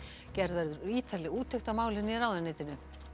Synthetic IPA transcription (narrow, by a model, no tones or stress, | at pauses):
cɛɾðvɛɾðʏɾiːt̪ʰalɪuːt̪ʰːɛjxt̪amaːwlɪnːiɾaːwðanːeːjt̪ɪnʏ